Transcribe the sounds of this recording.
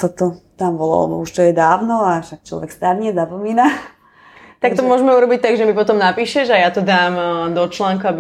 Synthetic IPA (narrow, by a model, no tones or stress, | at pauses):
sat̪ɔt̪ambɔlɔ̰a̰ɛ̰bɔ̰uʃt̪ɔjɛd̪aːʊnɔaʃak̚t͡ʃlɔ̰ʋɛkst̪aːɾɲɛzapɔmiːna | t̪ak̚t̪ɔmʊɔʒɛmɛuɾɔbic̚t̪aɡʒɛmipɔt̪ɔmnapiːʃɛʒajat̪ɔd̪aːmd̪ɔt͡ʃlaːŋkuabi